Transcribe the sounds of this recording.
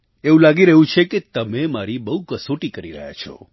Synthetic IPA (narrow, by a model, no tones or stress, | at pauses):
eũlaɡiɾəɦũt͡ʃʰeket̪əmemaɾibəɦukəsoʈikəɾiɾə̰ɦja̰t͡ʃʰɔ̰